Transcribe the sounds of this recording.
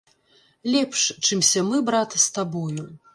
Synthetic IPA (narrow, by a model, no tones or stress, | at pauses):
lʲɛpʂt͡ʂɨmsʲɐmɨbɾat̪ɨst̪abɔju